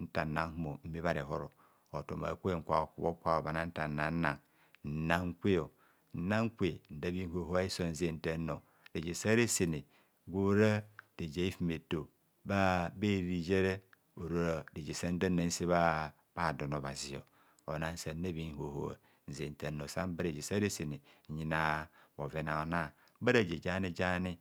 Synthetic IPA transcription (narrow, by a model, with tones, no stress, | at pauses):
n̩˦ta˨a˦ŋhmo˨m̩˦me˦βa˦ɾe˨ɦo˦ɾo˨ | o˨to̰˨ma̰˨kʷe˦˨ŋ̩˨kʷa˨o˨ku˨bo˦kʷa˦o˨ba˨na˦n̩˦ta˨n˨na˨n̩˦na˨ŋ | n̩˨na˦ŋ̩˦kʷe˦jo˨ | n̩˦na˦ŋ̩˦kʷe˨n̩˨da˦bi˦ŋ˦ho˨ɦo˦a˦i˦so˦˨n̩˦ze˦˨n̩˦te˦no˨ | de˨d͡ʒe˨sa˦ɾe˦se˨ne˨ | ɡʷo˦ɾa˦d̥e˨d͡ʒe˨i˦fi˦me˨to˨ | ba˦be˦˨ɾi˨d͡ʒe˦ɾe˦ | o˨ɾo˦˨de˨d͡ʒe˨sa˦n̩˦da˦na˨n̩˦se˦βa˦ | b̥a˨do˨no˨βa̰˨zi˨o̰˨ | o̰˨na˨n̩˦sa˨n̩˦a˦bi˨ŋ˨ho˨ho̰˨ | n̩˨ze˨n˨te˨no˨sa˦m˦ba˦ɾe˨d͡ʒe˨sa˦ɾe˦se˨ne˨ɲi˨na˨bo˨ve˨na˨o˨na˦˨˦ba˦ɾa˨d͡ʒe˨d͡ʒa˦ni˦d͡ʒa˦ni˦